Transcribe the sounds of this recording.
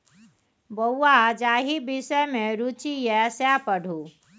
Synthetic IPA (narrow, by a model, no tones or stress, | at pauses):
bəwːad͡ʒaːɦibisɛmẽɾut͡ʃijɛsapəɽ̤ʱu